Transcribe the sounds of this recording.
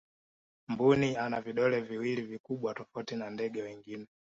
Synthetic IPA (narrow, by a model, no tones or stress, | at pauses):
mbunianaviɗɔlɛviwilivikuɓwatɔfautinandɛɠɛwɛŋɡinɛ